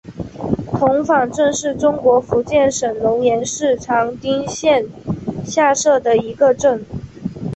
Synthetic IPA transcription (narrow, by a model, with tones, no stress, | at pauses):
t̪ʰʊ˧˥ŋfɑ˨˩ŋʈ͡ʂɤ˥˧ŋʂɻ̩˥˩ʈ͡ʂʊ˥ŋkwɔ˧˥fu˧˥t͡ɕjɛ˥˩nʂə˨˩nlʊ˧˥ŋjɛ˧˥nʂɻ̩˥˩ʈ͡ʂʰɑ˧˥ŋt̪i˥ŋɕjɛ˥˧nɕja˥˧ʂɤ˥˩d̪ə˩i˧˥ɡə˧ʈ͡ʂɤ˥˩ŋ